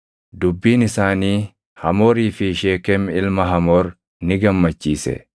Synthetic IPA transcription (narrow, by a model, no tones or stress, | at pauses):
d̪ʊbːiːnɪsaːniː | hɐmoːɾiːfɪʃeːkɛmɪlmɐɦɐmoːɾ | nɪɡɐmːɐt͡ʃːiːsɛ̰